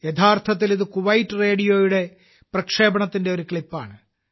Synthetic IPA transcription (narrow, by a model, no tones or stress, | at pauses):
jet̪ʰaːrt̪ʰɐt̪̬ːiliðɨkuʋɐjtːɨre̞ːɽijo̞ːjuɽe̞ | prɐkʂe̞ːbɐɳɐt̪ːinde̞o̞ɾukɭipːaːɳɨ